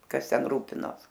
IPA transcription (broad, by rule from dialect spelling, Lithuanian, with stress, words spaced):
ˈkɐs tʲɛn ˈruːpʲɪnoːs